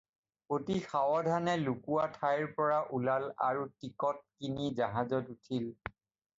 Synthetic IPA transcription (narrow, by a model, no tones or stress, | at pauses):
otixawɔdʱanɛlukuatʰajɹpɔɹaʔulala̰ɹutikɔt̚kinizaɦazɔtutʰil